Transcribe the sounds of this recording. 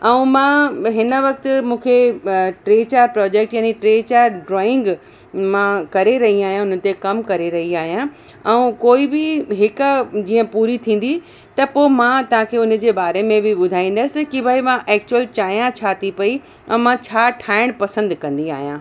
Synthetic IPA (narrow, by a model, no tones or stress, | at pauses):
ɛũmãːɦɪnə̆ʋɐk̚t̪ɪ̆mũːkʰeʈɾeːt͡ɕaːɾpɾɔːd͡ʑeːk̚ʈjaːniʈɾeːt͡ɕaɾɖɾɔːɪ̃ŋɡ | mãkɐɾeɾɐɦiaːɦijãʊn̤ə̆t̪ekɐmkɐɾeɾɐɦiaːɦijã | ɛ̃ũkoːibɪɦɪkʊd͡ʑiːə̃puːɾit̪ʰĩːn̆d̪i | t̪ɐpoːmãt̪ɐʋ̤ãkʰeːʊnə̆d͡ʑeːbaːɾemẽbɪɓʊd̪ʱaːĩːn̆d̪aːɪsɪ̆kibʱaːimãʔɛːk̚t͡ɕuwəlt͡ɕaːijãt͡ɕʰaːt̪ipɐi | ɛ̰̃mãt͡ɕʰaːʈʰaːɪɽ̃pɐsə̃nd̪kɐ̃nd̪ia̰ːɦijãː